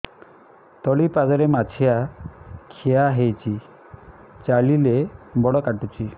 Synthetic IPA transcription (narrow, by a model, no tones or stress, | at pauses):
t̪ɔɭipad͡ʒɔɾemat͡ʃʰija | kʰijaɦejt͡ʃʰi | t͡ʃaɭilebɔɽɔkaʈut͡ʃi